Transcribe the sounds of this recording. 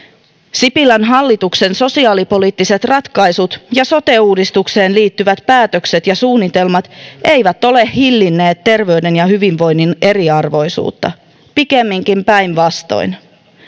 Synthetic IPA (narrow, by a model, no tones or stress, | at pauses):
sipilænɦɑlːit̪ukse̞nso̞siɑːlipo̞liːt̪ːise̞t̪rɑt̪kɑjsut̪jɑso̞t̪e̞uːdist̪ukse̞ːnliːt̪ːyʋæt̪pæːt̪økse̞t̪jɑsuːnːit̪e̞lmɑt̪e̞jʋæt̪o̞le̞hhilːinːe̞ːt̪ːe̞rʋe̞yde̞njɑhyʋinʋo̞jnːine̞ɾiɑrʋo̞jsṵːt̪ːɑ̰ | pikemːiŋkimpæjnʋɑst̪o̞̰in